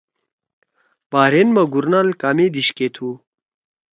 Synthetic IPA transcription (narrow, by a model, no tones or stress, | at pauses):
b̥aːɾenmɐɡuɾnalkamed̪iɕket̪ʰu